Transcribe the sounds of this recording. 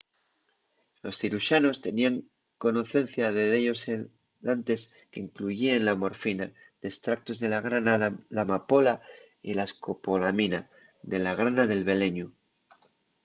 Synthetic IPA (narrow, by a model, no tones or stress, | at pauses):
lo̞sθiɾuʃano̞st̪e̞niaŋ | ko̞no̞θe̞n̟θjaðe̞ðeʎo̞se | ðant̪e̞s | keiŋkluʝienlamo̞ɾfina | d̪̥est̪ɾak̚t̪o̞zðe̞laɣɾanalamapo̞la | ilaesko̞po̞lamina | ðe̞laɣ̞ɾanaðe̞lβe̞le̞ɲu